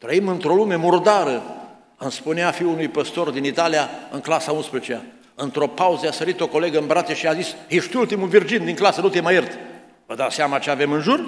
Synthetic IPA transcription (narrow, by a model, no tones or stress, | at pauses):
t̪ɾəimɨnt̪ɾo̞lume̞murd̪aɾə | ɨmspuneafiunujpəst̪o̞rd̪init̪alijaɨŋklasaunspɾezt͡ʃea | ɨnt̪ɾo̞pauzəasəɾit̪o̞ko̞le̞ɡəɨmbɾat̪eʃiazisjeʃt̪ult̪imuvird͡ʒind̪iŋklasənut̪emajert̪ | vəd̪aseamat͡ʃeave̞mɨnʒur